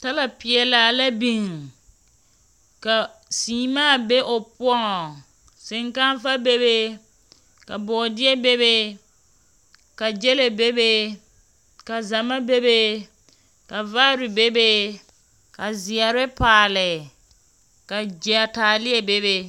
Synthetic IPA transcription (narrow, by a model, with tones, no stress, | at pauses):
ta˦la˨pɪ˨ɛ˨laː˨la˦bi˨ŋ | ka˨siː˨maː˦˨be˦ʔo˨pʊ˦ɔ˦ŋɔ˨ | sɪ˨ŋka˦n˦fa˦be˦be˦ | ka˨bɔ˨dɪ˦ɛ˦be˦be˦ | ka˨d͡ʒɛ˦le˨be˦be˦ | ka˨za˨ma˦be˦be˦ | ka˨va˦ɾɪ˨be˦be˦ | ka˨zi˨a˨ɾɪ˦paː˨lɪ˨ | ka˨d͡ʒi˨a˨taː˨lɪ˦ɛ˨be˦be˦